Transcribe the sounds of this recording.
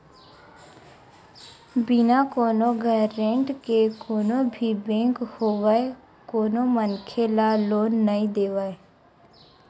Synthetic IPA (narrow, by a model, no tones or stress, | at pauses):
bɪnakoːnõɡʱəɾẽːɳʈkekoːnobʱibẽːŋkhoːʋae | koːnõmənkʰelaloːnːəĩd̪eːʋaːe